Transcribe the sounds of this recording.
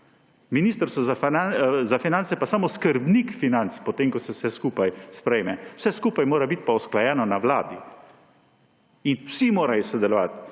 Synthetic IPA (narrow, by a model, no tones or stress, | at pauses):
miniːst̪əɾst̪ɔzaazafinantsɛpasaːmoskəɾbnikfinant̪spɔt̪eːmkɔsɛwsɛskuːpajspɾɛjmɛwsɛskuːpajmoːɾabit̪̚paɔsklajɛːnɔnaʋla̰ːd̪i | inwsimoːɾajɔsɔd̪ɛlɔʋa̰t̪